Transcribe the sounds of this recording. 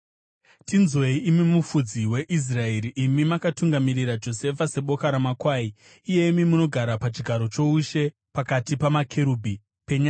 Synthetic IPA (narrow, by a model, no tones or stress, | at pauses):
tinzwe̞iimimufud͡ziwe̞ʔis̬rae̞ɾiʔimimakatuŋɡamiɾiɾad͡ʒo̞se̞fase̞ɓo̞kaɾamakwaːiː | je̞imimuno̞ɡʱaɾapat͡ʃiɡʱaɾo̞t͡ʃo̞uʃe̞ | pakatipamakʰeɾuːbʱi | peɲaː